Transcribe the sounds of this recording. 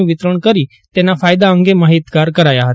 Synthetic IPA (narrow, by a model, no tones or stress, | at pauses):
ũʋɪt̪ɾəɽ̃kəɾi | t̪eːnapʰaːjd̪aə̃ŋɡemaːɦit̪kaːɾkəɾaːjaɦət̪ɛ